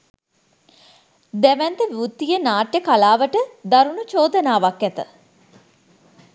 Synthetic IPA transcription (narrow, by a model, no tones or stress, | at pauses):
d̪æʋɛnt̪əʋiut̪ːijənaːʈjəkalaːʋəʈəd̪aɾunut͡ʃoːd̪ənaːʋakːɛt̪ə̰